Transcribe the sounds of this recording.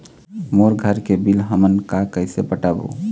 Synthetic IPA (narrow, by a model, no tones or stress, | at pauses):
moɾɡʱəɾkebilɦəmənkakəɪsepəʈabṵ